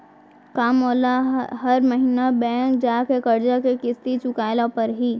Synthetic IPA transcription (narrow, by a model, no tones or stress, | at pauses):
kaːmoːlaɦɐɾməɦinabɛ̃ːkd͡ʒaːkekɐɾd͡ʒakekɪst̪it͡ʃʊkaːɪlãpɐɾɦiː